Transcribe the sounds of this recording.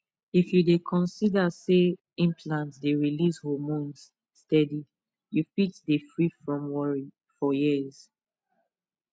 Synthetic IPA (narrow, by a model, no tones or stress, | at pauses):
ifjudekʰɔ̃nsidase | ĩmpʰlãntdeɹilishɔmõns | stɛdi | jufitdefɹifɹɔ̃mwɔɹi | fɔjiz̥